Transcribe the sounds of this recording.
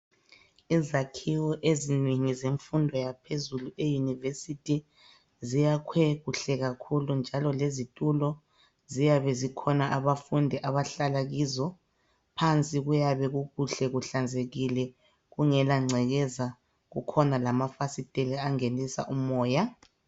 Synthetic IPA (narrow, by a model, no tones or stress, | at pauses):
izakʰiwɔʔeziniŋizeɱfundʱɔjapʰezuluejunivesitʰʼi | zijakʰweɣuɬɛɣakʰulund͡ʒʱalɔlezitʼulɔ | zijaβɛzikʰɔnaʔaβafundʱɛʔaβaɬalaɣizɔ | pʰant͡sʼiɣujaβɛɣuɣuɬɛɣuɬand͡zʱeɣilɛ | ɣuŋɛlaŋ͡ǀʱɛɣɛza | ɣukʰɔnalamafasitʼeliaŋenisa̰ʔumɔːja